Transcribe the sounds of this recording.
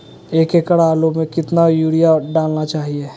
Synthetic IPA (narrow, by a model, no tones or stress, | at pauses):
eːkekəɽaːlomẽkɪt̪najuːɽijaɖaːlnat͡ʃaːɦieː